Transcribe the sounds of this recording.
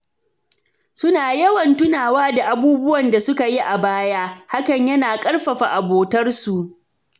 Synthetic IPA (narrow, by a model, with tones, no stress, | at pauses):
sʊ˦naː˨jɐ˦wɐ˨ntʊ˦naː˨waː˦da˨ʔa˨buː˦bʊ˦wɐ˨nda˨sʊ˦ka˨ji˦ʔa˨baː˦jaː˦ha˦kɐ˨ɲjɐ˦naː˨kʼɐ˦ɽɸɐ˨ɸa˨ʔa˨boː˨tɐ˦rsu˨ʔ